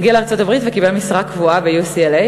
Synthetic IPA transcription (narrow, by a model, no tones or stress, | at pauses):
ɡialeaʁt͡so̞tabʁit̪vekibelmisʁakːvuabejusiele